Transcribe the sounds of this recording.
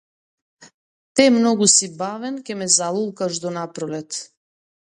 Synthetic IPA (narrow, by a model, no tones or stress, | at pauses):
t̪ɛmnɔɡusibavɛnkʲɛmɛzalˠulˠkaʃd̪ɔnapɾɔlɛt̪